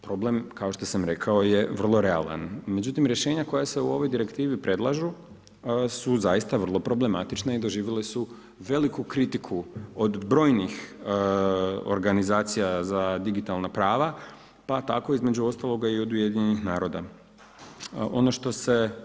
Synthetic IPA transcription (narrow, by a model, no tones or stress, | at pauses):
pɾo̞ble̞mkao̞ʃt̪o̞samɾe̞kʰao̞je̞ʋr̩lˠo̞ɾe̞a̰lˠa̰nme̞d͡ʑut̪imɾje̞ʃe̞ːɲako̞jase̞uo̞ʋo̞jd̪iɾe̞kt̪iːʋipɾe̞d̪lˠaʒu | suzajist̪aʋr̩lˠo̞pɾo̞ble̞mat̪it͡ʃnaid̪o̞ʒiːʋjilesu | ʋe̞likukɾit̪ikʰuod̪bɾo̞ːjnix | o̞̰ɾɡanizaːt̪sijazad̪iɡit̪alˠnapɾaːʋa | pat̪a̰ko̞izme̞d͡ʑuo̞st̪alˠo̞ɡaio̞d̪uje̞d̪iɲenixnaːɾo̞ːd̪a | ʔo̞̰no̞ʃt̪o̞se̞